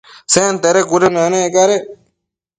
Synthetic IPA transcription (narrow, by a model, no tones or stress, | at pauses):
seːnt̪eːɾeːkuɾenaːneekaːɾe